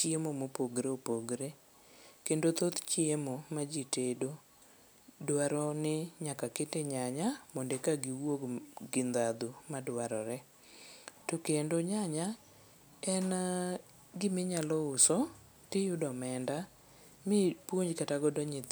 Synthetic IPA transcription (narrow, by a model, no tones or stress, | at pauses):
t͡ʃiemomopoɡɾeopoɡɾe | kendot̪ot̪t͡ʃiemomad͡ʒitedo | dwaɾɔnɪɲakaketeɲaɲamondekaɡiwoɡɡɪnd̪ad̪umadwaɾɔɾɛ | tokendoɲaɲa | ɛn | ɡɪmeɲalɔʊsɔ | tɪjʊdɔmɛnda | mɪpwoɲd͡ʒkataɡɔdɔɲɪ